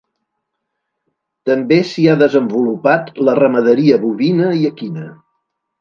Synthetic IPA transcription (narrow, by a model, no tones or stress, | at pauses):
t̪əmbesiaðəzəmbulupat̪lərəməðəɾiəβuβinəiəkinə